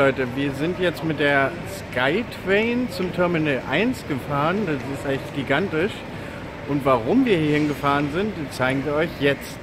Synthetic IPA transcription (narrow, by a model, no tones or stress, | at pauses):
ɔʏtəviːɐzɪntjɛt͡stmɪt̚d̥eːɐ | skʰaɪtʰv̥ɛːnt͡sʊmtʰɛɐminəlʔa̰ɪnsɡ̥əfaːʁəndasɪstʔaɪtɡ̥iɡantɪʃ | ʔʊntv̥aʁ̞ʊmviːɐhiːɐhɪnɡəfaːʁ̞ənzɪntt͡saɪɡŋ̩viːɐɔʏçjɛt͡st